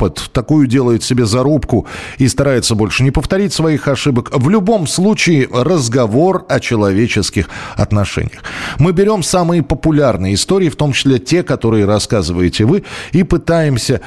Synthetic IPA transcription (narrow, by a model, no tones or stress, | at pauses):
pət̪ːɐkujʊdʲe̞lˠəjʊt̪sʲɪbʲe̞zɐɾupkʊist̪ɐɾajɪt̪səbo̞lʲʂɨnʲɪpəft̪ɐɾʲitʲsvɐixɐʂɨbəkvlʲʊbo̞mslˠut͡ɕɪɪrəzɡɐvo̞rɐt͡ɕɪlˠɐvʲet͡ɕɪskʲɪxɐ̰t̪nɐʂɛ̰nʲɪjəxmɨbʲɪɾʲo̞msamɨjəpəpʊlʲarnɨjəɪst̪oɾʲɪːft̪o̞mt͡ɕɪ̥sʲlʲetʲe̞kɐt̪o̞ɾɨjəɾɐskazɨvəjɪtʲɪvɨipɨt̪ajɪmsʲə